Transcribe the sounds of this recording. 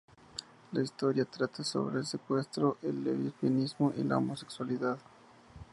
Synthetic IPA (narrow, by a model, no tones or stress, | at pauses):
laist̪o̞ɾjat̪ɾat̪aso̞̰βɾeeːlse̞kwe̞st̪ɾoʔelːeβifanizmoʔila̰o̰mose̞kswaliðað